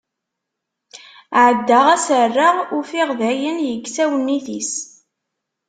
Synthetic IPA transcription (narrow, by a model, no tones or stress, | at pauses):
ʕəd̪ːaʁæsərːaʁʊfɪʁðæjənjəɡsæwənːiθis